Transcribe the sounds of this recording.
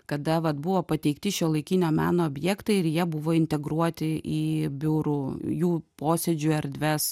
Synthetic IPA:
kɐd̪ɐʋɐt̪bʊʋoːpɐt̪ʲɛɪkt̪ʲɪʃʲiːlˠɐɪkʲinʲoːmʲæ̰ːnoːbʲjɛkt̪ɐɪɪɾjiɛbʊʋoːɪnʲt̪ʲɛɡɾuɔt̪ʲɪʔiːbʲʊɾuːjuːpoːsʲɛd͡ʒʲʊɛɾʲd̪ʲʋʲɛs

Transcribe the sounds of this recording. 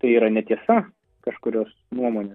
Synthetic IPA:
t̪ɐɪiːɾɐnʲɛt̪ʲiɛsɐ | kɐʃkʊɾʲoːs | nuɔmoːnʲeː

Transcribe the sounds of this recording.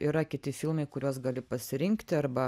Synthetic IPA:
iːɾɐkʲɪt̪ʲɪfʲɪlˠmɐɪkʊɾʲuɔs̬ɡɐlʲɪpɐsʲɪɾʲɪŋkt̪ʲɪɐɾbɐ

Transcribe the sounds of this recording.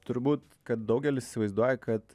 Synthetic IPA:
t̪ʊɾbuːt̪ | kɐt̪̚d̪ɒʊɡʲɛlʲɪsɪ̥sʲɪʋɐɪzd̪uɔjɛkʰɐt̪

